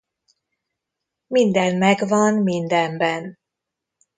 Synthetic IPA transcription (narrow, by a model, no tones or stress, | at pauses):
mind̪ɛnmɛɡvɒnmind̪ɛmbɛn